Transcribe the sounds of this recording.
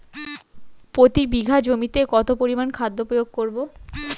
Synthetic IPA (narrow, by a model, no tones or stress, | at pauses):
pot̪ibiɡʱad͡ʑomit̪ekɔt̪opoɾimankʰad̪ːopojoɡ̚koɾbo